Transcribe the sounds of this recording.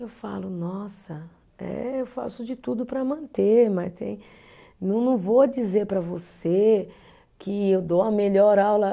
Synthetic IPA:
ewfa̰lʊnɔsɐ | ɛ̰ewfa̰sʊd͡ʒɪt̪ud̪ʊpɾɐmɐ̃nt̪eɾmɐst̪ḛ̃j̃ | nɐ̃w̃nɐ̃w̃vod͡ʒizeɾpɾɐvose | kʰɪewd̪owɐmeʎɔɾawlɐ

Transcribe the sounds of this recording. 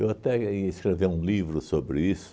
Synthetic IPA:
ewat̪ɛiɐĩskɾeveũlivɾʊsobɾɪisʊ̥

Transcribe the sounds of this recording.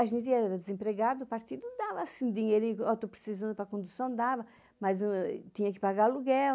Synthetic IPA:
aʒẽnt̪iɛɛɾɐd̪ɪzẽmpɾeɣaɾd̪upaɾt̪id̪ud̪avɐːsĩd̪iɲejɾĩɲkawt̪opɾɪ̥sizɐ̃nd̪ʊpɾɐkõnd̪usɐ̃w̃d̪avɐ | mɐzut̪ĩɲɐkɪ̥paɣaɾluɡɛl

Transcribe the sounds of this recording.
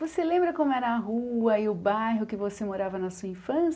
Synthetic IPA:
voselẽmbɾɐkõmʊɛɾɐːɦuɐɪʊbajɦʊkɪvosemoɾavɐnɐsuɐĩfɐ̃s

